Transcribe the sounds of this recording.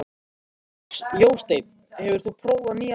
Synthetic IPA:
joːwst̪ejt̪̚n | hɛvʏɾ̥θupʰɾoːwvaniː

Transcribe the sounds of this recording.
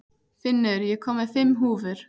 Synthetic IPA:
fɪnːɪɾjɛkʰɔːmɪθɪmːɦuːvʏɾ̥

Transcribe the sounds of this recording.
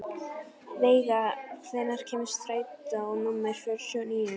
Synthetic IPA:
veːjɣaθɛnːaɾ̥cʰɛːmɪst̪ɾaːjt̪aɔnʊmːajɾ̥fœɾsɔniːʏ

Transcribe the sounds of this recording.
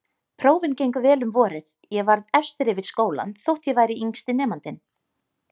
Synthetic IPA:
pʰɾoːwvɪncejŋkʏvɛːlʏmvɔːɾɪθ | jɛɣvaɾðɛfst̪ɪɾɪvɪðskoːwla̰nθowht̪jɛvaːjɾɪiŋst̪ɪnɛːmant̪ɪn

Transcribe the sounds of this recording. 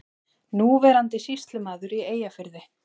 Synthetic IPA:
nuːvɛɾant̪ɪsist̪lʏmaːðʏɾieːjafɪɾðɪ

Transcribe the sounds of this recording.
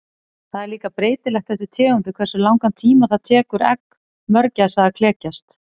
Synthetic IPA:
θaðɛɾliːkapɾeːjt̪ɪlɛxkt̪θɛhsɪt̪ʰɛːɣʏnt̪ʏkʰvɛrsʏlawŋkant̪ʰiːmaθaðt̪ʰɛːkʏɾɛ̰k | mœɾcasaðakʰlɛːcast̪

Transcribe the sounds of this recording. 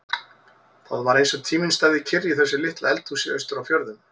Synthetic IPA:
θaðvaɾejnsɔt̪ʰiːmɪnst̪aðɪcʰɪrjiθɛsːɪlɪht̪laɛlt̪usɪœɥst̪ʏɾawfjɔɾðʏm

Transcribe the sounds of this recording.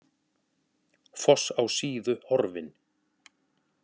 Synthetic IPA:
fɔsawsiːðʏhɔɾvɪn

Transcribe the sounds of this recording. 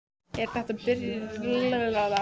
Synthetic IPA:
ɛɾ̥θɛht̪apɪɾjɪllavɛlala

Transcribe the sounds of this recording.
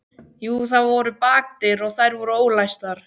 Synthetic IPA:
juːθaðvɔɾʏpaːk̚t̪ɪɾɔɣθajɾvɔɾʏoːwlajst̪aɾ̥

